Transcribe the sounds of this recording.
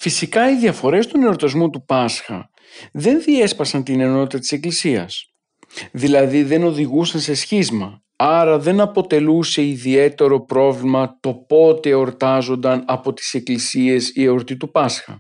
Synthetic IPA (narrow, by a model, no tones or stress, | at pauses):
fisikɐiðiɐfo̞ɾe̞st̪one̞o̞ɾt̪ɐzmut̪upɐsxɐ̰ | ðe̞nðie̞spɐsɐnt̪ine̞no̞t̪it̪ɐt̪i̥se̞klisiɐ̰s | ðilɐðiðe̞no̞ðiɣusɐnsesçizmɐ | ɐɾɐðe̞nɐpo̞t̪e̞luse̞iðie̞t̪e̞ɾo̞pɾo̞vlimɐt̪o̞po̞t̪e̞o̞ɾt̪ɐzo̞nd̪ɐnɐpo̞t̪i̥se̞klisiesieo̞ɾt̪it̪upɐsxɐ̰